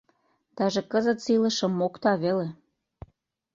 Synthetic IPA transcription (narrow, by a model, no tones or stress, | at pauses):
t̪ɑʒekəzət̪silə̆ʃə̆mːokt̪ɑβele